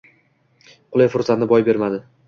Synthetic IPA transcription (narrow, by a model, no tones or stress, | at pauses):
qʰʊlˠajfʊɾsat̪nɪbɒjbe̞ɾmad̪ɪ